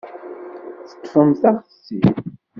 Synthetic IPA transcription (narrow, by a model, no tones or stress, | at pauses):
θə̥t̪ːfəmθaχsḭ